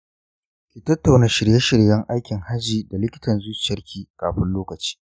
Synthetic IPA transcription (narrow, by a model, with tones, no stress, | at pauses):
kʲi˨tɐ˦tːa˨wnaː˦ʃɪ˨ɽje˦ʃɪ˨ɽjɐ˦ŋʔa˦jkʲɪ˨ŋha˦d͡ʒiː˨da˨lɪ˦kʲɪ̥˦tɐ˨nzʊ˦t͡ʃɐ˦rkʲʰiː˦kaː˨ɸɪ˦nloː˦kɐ˨t͡ʃi̥ː˦